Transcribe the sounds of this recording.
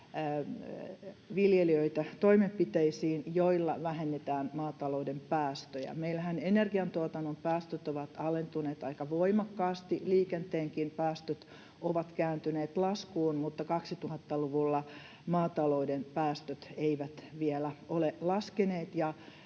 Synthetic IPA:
ʋiljeliøit̪æt̪oimempit̪eisiːnjoilːɑ̰ʋæhenːet̪æːnmɑːt̪ɑloudempæːst̪øjæ̰meilæhænenerɡiɑnt̪uɑt̪ɑnːompæːst̪øt̪oʋɑt̪ɑlent̪uneːt̪ɑikɑʋoimɑkːɑːst̪iliːkent̪eːŋkinpæːst̪øt̪ | oʋɑt̪kæːnt̪yneːt̪lɑskuːnmut̪ːɑkɑksit̪uhɑt̪ːɑluʋulːɑ | mɑːt̪ɑloudenpæːst̪øt̪eiʋæt̪ʋiɛlæolelɑskeneːt̪jɑ

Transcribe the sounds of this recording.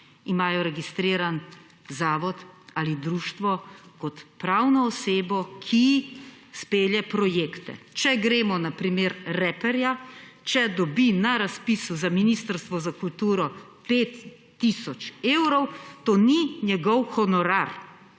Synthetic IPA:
imaːjɔɾɛɡist̪ɾiːɾan | zaːʋɔt̪alid̪ɾuːʃt̪ʋɔkɔt̪pɾaːwnɔːseːbɔkʰi | speːljɛpɾɔjeːkt̪ɛ̰t͡ʃɛɡɾeːmɔnapɾimeɾːɛpɛɾjat͡ʃɛd̪ɔbinaɾaspisuzaminist̪əɾst̪ʋɔzakult̪uːɾɔpeːt̪ː | isɔt͡ʃeːwɾɔwt̪oːninjɛɡɔwxɔnɔɾaɾ

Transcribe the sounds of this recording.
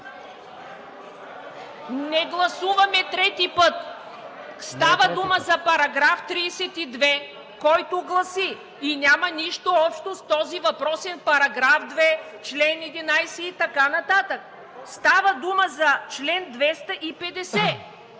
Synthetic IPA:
nɛɡlˠɐsuvɐmɛt̪ɾɛt̪ipɤt̪ | st̪avəd̪uməzɐpɐɾɐɡɾaft̪ɾiːsɛt̪id̪vɛ | kɔjt̪oɡlˠɐsi | inʲjamɐniʃt̪oɔpʃt̪ost̪ɔzivɐpɾɔsɛnpɐɾɐɡɾafd̪vɛ | t͡ʃlɛnɛd̪inajsɛit̪ɐkanɐt̪at̪ək | st̪avəd̪uməzɐt͡ʃlɛnd̪vɛst̪ɐʔipɛd̪ɛsɛ

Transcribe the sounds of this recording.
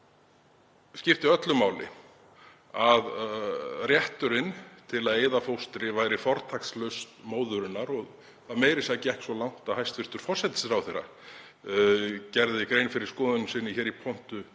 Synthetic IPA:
scɪft̪ɪœt̪lʏmaːwlɪ̰ | að | rjɛht̪ʏɾɪnt̪ʰɪlaðeːjðafowst̪ɾɪvajɾɪfɔɾt̪ʰakslœɥst̪moːwðʏɾɪnːaɾɔɣ | θaðmeːjɾɪsajcɪɛhcsvɔlawn̥t̪ahajst̪fɪst̪ʏɾ̥fɔr̥sɛt̪ɪ̥sɾawθerːa̰ | cɛɾðɪkɾeːjnfɪɾɪɾ̥skɔːðʏnʏsɪnːɪçɛːɾipʰɔn̥t̪ʏ

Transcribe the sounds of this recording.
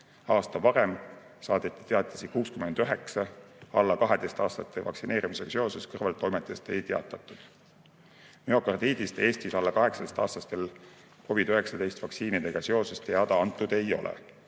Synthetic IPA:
ɑːst̪ɑvɑɾe̞m | sɑːd̪̥et̪ːˑi̥t̪eɑt̪ːˑɑ̥sikuːskymend̪̥øɦe̞ksɑɑlːɑkɑɦe̞d̪̥e̞jst̪ɑːst̪ɑt̪ːˑe̞vɑ̰ksine̞ːɾimise̞ɡ̥ɑ̥seo̞seskɤrvɑlt̪ːˑo̞jmet̪ːˑest̪e̞̰jt̪e̞ɑ̰t̪ːˑɑt̪ːˑud̪̥ | meo̞kɑrd̪iːd̪ist̪e̞ːst̪isɑlːɑkɑɦe̞ksɑd̪est̪ɑ̰ːst̪ɑst̪e̞l | ko̞vid̪øɦe̞ksɑd̪e̞jst̪vɑksiːnid̪e̞ɡ̥ɑse̞o̞sest̪eɑd̪̥ɑɑnt̪ːˑud̪̥e̞jo̞̰lʔḛ

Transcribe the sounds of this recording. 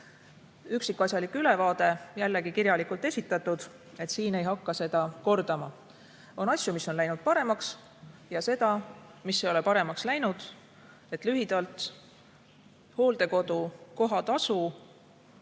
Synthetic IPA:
yksikːˑɑsʲjɑlikyle̞vɑːd̪̥e̞jælːe̞ɡikiɾjɑlikult̪ˑe̞sʲit̪ːˑɑt̪ːˑud̪̥ | e̞t̪siːne̞jɦɑkːɑse̞d̪̥ɑko̞rd̪̥ɑmɑ | o̞nɑsʲjumisːo̞nlæjnud̪̥̚pɑɾe̞mɑks | jɑse̞d̪̥ɑmisːeo̞le̞pɑɾe̞mɑkslæjnud̪̥ | e̞t̪ˑlyɦid̪̥ɑlt̪ˑ | ho̞ːld̪̥e̞ko̞d̪̥uko̞ɦɑt̪ɑsu

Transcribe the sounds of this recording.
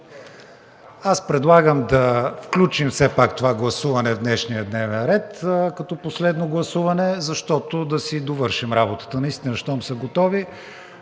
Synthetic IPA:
aspɾɛd̪lˠaɡəmd̪ɐfklʲut͡ʃimfsɛpakt̪ovaɡlˠɐsuvɐnɛvd̪nɛʃniəd̪nɛvnɛnɾɛt̪kɐt̪ɔposlɛd̪noɡlˠɐsuvɐnɛzɐʃt̪ɔt̪od̪ɐsid̪ovɤɾʃimɾabot̪ə̥t̪ənɐist̪inəʃt̪ɔmsəɡot̪ɔvi

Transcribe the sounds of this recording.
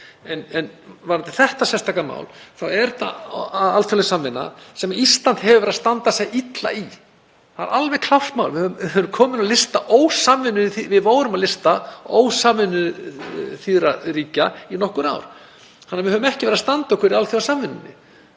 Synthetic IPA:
ɛnɛnvaɾant̪ɪθɛht̪asɛst̪ʰakama̰ːwlθawɛɾt̪a̰ðalfjɔlɛsamvɪnːa̰sɛmaist̪lan̥t̪hɛvʏvɛɾaðst̪ant̪asɛjʔit̪la̰i | ha̰ɾalvɛɣkʰl̥awst̪mawlvɪhœvʏmhœvʏmkʰɔːmɪnalɪst̪aʔoːwsaːmvɪnːʏθivɪðvoːwɾʏmaðlɪst̪ao̰wsaːmvɪnːʏ | θiðɾaɾiːcainɔhkʏɾa̰wɾ̥ | hanːɾvɪhœvʏmɛhcɪvɛɾaðst̪ant̪aowhkʰvɛɾialθfjɔlsaːmvɪnːʏnːɪ̰

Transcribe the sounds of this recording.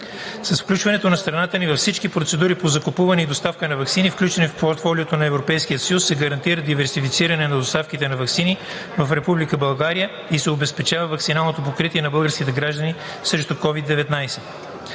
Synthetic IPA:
sɐsfklʲut͡ʃvɐnɛt̪onɐst̪ɾɐnat̪ənivɐfsit͡ʃkipɾot̪sɛd̪uɾipozɐkopuvɐnɛid̪ost̪afkənɐvɐksinifklʲut͡ʃɛnifpoɾt̪fɔlʲiot̪onɐɛvɾopɛjskijət̪səjusːɛɡɐɾɐnt̪iɾəd̪ivɛɾsifit̪siɾɐnɛnɐd̪ost̪afkit̪ɛnɐvɐksini | vɐfɾɛpublikəbɐlˠɡaɾijə | isɛobɛspɛt͡ʃavɐvɐksinalˠnot̪op̬okɾit̪iɛnɐbɤlˠɡəɾsk̟it̪ɛɡɾaʒd̪əni | sɾɛʃt̪okɔvid̪ːɛvɛt̪najsɛ

